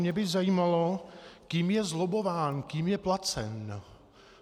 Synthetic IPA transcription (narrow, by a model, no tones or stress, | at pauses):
mɲɛbɪzajiːmalokiːmjɛzlobovaːnkiːmjɛplat͡sɛn